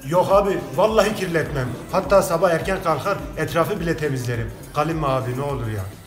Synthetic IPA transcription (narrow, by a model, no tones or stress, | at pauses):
joχɑbivɑlˠːɑɦicʲʰiɾlɛt̪mɛmhɑt̪ːɑːsɑbɑhɛɾcʰɛnqʰɑlˠχɑɾɛt̪ʰɾɑːfɯbilɛt̪ʰemizleɾim | ɡ̥ɑlˠimːɑːb̪inɛolˠuɾja̰